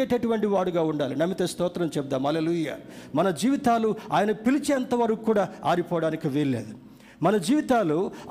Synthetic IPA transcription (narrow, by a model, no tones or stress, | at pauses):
eːʈɐʈuʋɐɳʈiʋaːɽuɡaːuɳɖaːlinɐmːit̪eːst̪ɔːt̪ɾɐmt͡ʃɛp̚d̪aːmɦɐleːluːja̰ːmɐnɐd͡ʒiːʋit̪aːluaːjɐnɐpilit͡ʃeːɐnt̪ɐʋɐɾɐkukːuːɽaːaːɾipɔːʋɐɽaːnikiʋelɭːḛːd̪u | mɐnɐd͡ʒiːʋit̪aːlu